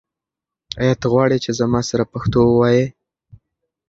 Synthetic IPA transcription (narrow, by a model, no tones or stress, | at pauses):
ɑjat̪ɣwɑɽit͡ʃezamɑsaɾapaxt̪owəwɑje